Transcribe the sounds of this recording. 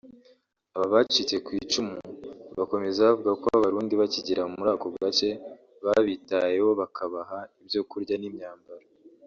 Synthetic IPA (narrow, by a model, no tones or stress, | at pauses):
aβaβat͡ʃit͡se̞kwiːt͡ʃumuβako̞me̞zaβavuɡakwoaβaβaɾuːndiβaciɟiɾaumuɾaːkoɡat͡ʃe̞ | βaβitaje̞ho̞βakʰaβaɦaibjo̞kuɾɟanimɲaːmbaɾa